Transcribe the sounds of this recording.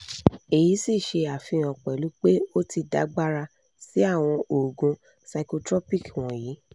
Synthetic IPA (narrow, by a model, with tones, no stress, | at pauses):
e˨ji˨˦si˦˨ʃe˧a˨fĩ˧˦˨ã˨k͡pɛ˨lu˨˦k͡pe˦o˦ti˧da̰˨˦ɡ͡ba˦ɾa˧ | si˨˦a˦˨w̃ɔ̃˧ʔo˨ɡũ˧ | sa˧˨ko˧tɾɔ˦pi˦˨kw̃ɔ̃˨jiː˨˦